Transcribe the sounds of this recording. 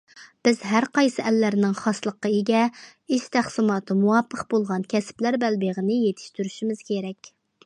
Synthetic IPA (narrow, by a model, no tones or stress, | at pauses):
b̥ɪzɦæɾqɑjsɨʔɛlːæɾnɪŋχɑslˠəqːɑeɡʲɛiʃt̪ʰæχsɨmɑːt̪ʰɨmuwɑpʰːəqbolˠʁɑnkʲʰɛsɪ̥plæɾbælbeʁənɪjet̪ʰɪ̥ʃt̪yɾyʃimɪz̥kʲeɾɛkʲ